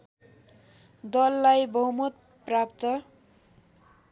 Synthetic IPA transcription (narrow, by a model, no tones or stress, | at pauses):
d̪ʌlːajbʌɦumʌt̪ | prapt̪ʌ